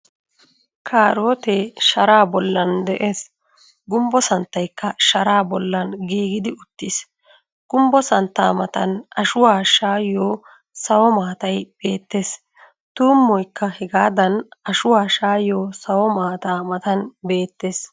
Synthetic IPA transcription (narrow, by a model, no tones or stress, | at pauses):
kʰaːɾoːt̪eːʃɐɾaːbɔlːɐnd̪ɛʔeːs | ɡʊmbɔsɐnt̪ːɐjkːɐʃɐɾaːbɔlːɐnɡiːɡɪd̪ɪʊt̪ːɪs | ɡ̥ʊmbɔsɐnt̪ːaːmɐt̪ɐnɐʃʊwaːʃaːjoː | sɐwɔmaːt̪ɐjb̥e̞ːt̪ːeːs | t̪uːmːɔjkːɐhɛɡaːd̪ɐnɐʃʊwaːʃaːjoːsɐwɔmaːt̪aːmɐt̪ɐnbe̞ːt̪ːeːs